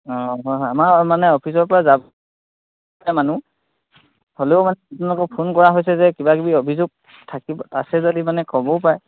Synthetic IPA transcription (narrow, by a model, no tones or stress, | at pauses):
ɔɦɔjɦjamaɹmanɛɔpʰis̬ɔɹpɔɹazab | ɛmanu | holeʊmanɛtnlɔkɔpʰonkɔɹaɦojsɛzɛkibakibiobʱizuɡ̚ | tʰakibɔa̰sɛzodimanɛkɔbɔpaɹɛ